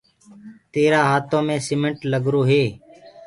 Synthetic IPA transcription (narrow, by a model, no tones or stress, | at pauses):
t̪eːɾaːɦaːt̪õːmẽːsɪmə̃ɳʈləɡɾoːɦeː